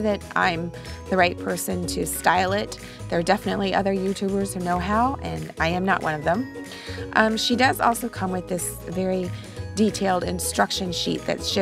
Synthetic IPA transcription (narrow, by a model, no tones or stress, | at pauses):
ðɨɾʔã̰ɪ̃m | ðɨɹaɪt̚pʰɜ˞sɨ̃ntʰɨstaɪlˠɪt̪̚ | ðə˞dɛfənɨtˡliʔʌ̰ðə˞jʉtʰʉbə˞z̥hənoʊɦaʊʔɨ̃naɪɨ̃mnə̰ʔwʔʌ̃ñʌvðə̃m | ʔʃidʌzɔ̰lˠsoʊkʰʌ̃mwɨðɪs | vɛɹi | ditʰeɪlˠdɨ̃nstɹ̥ʌkʃɨ̃nʃḭt̪̚ðɨ̰tsʃɪ